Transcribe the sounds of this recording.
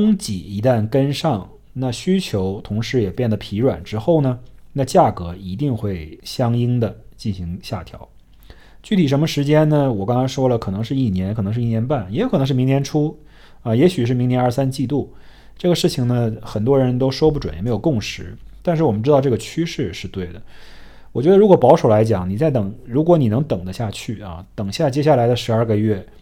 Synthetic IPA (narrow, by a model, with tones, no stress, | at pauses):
ŋt͡ɕḭ˨˩i˧˥t̪a˥˩nkə˥nʂɑ˥˩ŋ | na˥˩ɕy˥t͡ɕʰjo˧˥ʊt̪ʰʊ˧˥ŋʂɻ̩˧˥jɛ˨˩pjɛ˥˩nd̪ə˩pʰi˧˥ɻwa̰˨˩nʈ͡ʂɻ̩˥xo˥˩ʊnə˩na˥˧t͡ɕja˥˩kɤ˧˥i˧˥t̪̬i˥˧ŋxwe˥˩ɪɕjɑ˥ŋi˥ŋd̪ə˨t͡ɕi˥˩nɕi˧˥ŋɕja˥˩t̪ʰjɑ̰˧˥ʊ | t͡ɕy˥˩t̪ʰi˨˩ʂ̬ə˧˥nmə˧ʂɻ̩˧˥t͡ɕjɛ˥nnə˨wɔ˨˩kɑ˥ŋkʰɑ˥ɪʂwɔ˥lə˨kʰɤ˨˩nɤ˧˥ŋʂɻ̩˥˧i˥˩njɛ˧˥nkʰɤ˨˩ɤ˧˥ŋʂɻ̩˥˧i˥˩njɛ˧˥npa˥˩njɛ˧˥kʰɤ˨nɤ˧˥ŋʂɻ̩˥˩mi˧˥ŋnjɛ˧˥nʈ͡ʂʰu˥ | ɐ˧jɛ˧˥ɕy˨˩ʂɻ̩˥˩mi˧˥ŋnjɛ˧˥nə˥˩sa˥nt͡ɕi˥˧t̪u˥˩ | ʈ͡ʂɤ˥˩ɡə˩ʂɻ̩˥˩t͡ɕʰi˩ŋnə˩xə˨˩nt̪wɔ˥ɻə˧˥nt̪o˥ʊʂwɔ˥p̬u˥˩ʈ͡ʂw̰jm˧˥ɪjʊkʊ˥˩ŋʂɻ̩˧˥t̪a˥˧nʂɻ̩˥˩wɔ˨˩mə˦nʈ͡ʂɻ̩˥t̪ɑ˥˧ʊʈ͡ʂɤ˥˩ɡə˩t͡ɕʰy˥ʂɻ̩˥˧ʂɻ̩˥˧t̪we˥˩ɪd̪ə˩ | wɔ˨˩t͡ɕɥɛ˧˥d̪ə˧ɻu˧˥kwɔ˨˩pɑ˧˥ʊʂo˨˩ʊla˧˥ɪt͡ɕjɑ˨˩ŋni˨˩t͡sa˥˩ɪt̪ɤ˨˩˦ŋɻu˧˥kwɔ˧˥ni˨˩nɤ˧˥ŋt̪ɤ˨˩ŋd̪ə˦ɕja˥˧t͡ɕʰy˥˩ɐ̰˧˩t̪ɤ˨˩ŋɕja˥˩t͡ɕjɛ˥ɕja˥˩la˧˥ɪd̪ə˧ʂɻ̩˧˥a˞˥˧ɡə˧ɥɛ˥˩